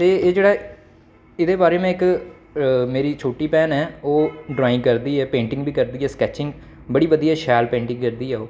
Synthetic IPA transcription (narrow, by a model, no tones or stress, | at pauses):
t̪eːeːd͡ʒeːɽaː | ɪd̪eːbaːɾeːmɛ̃ːɪk | meːɾiːt͡ʃʰoːʈiːpɛːnɛːoːɖɾaːɪ̃ŋkəɾd̪iːɛːpẽːɳʈɪ̃ŋɡbʱiːkəɾd̪iːɛːskɛːt͡ʃɪŋɡ | bəɽiːʋəd̪iːaːʃɛːlpẽːɳʈɪ̃ŋɡkəɾd̪iːɛːoː